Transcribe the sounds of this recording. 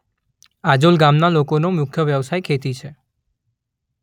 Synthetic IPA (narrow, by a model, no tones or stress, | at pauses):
ad͡ʒolɡamnalokonomʊkʰjəʋjəʋsajkʰet̪it͡ʃʰe